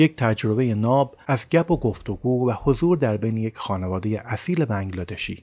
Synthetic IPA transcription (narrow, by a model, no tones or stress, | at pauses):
jec̚t̪ʰæd͡ʒɾo̞be̞jenɒːbæzɟæbʰoɡo̞ft̪oɡuːvæhozuːɾd̪æɾbejneje̞cxɒːnevɒːd̪ejeʔæsiːlebæŋɡlɒːd̪eʃḭː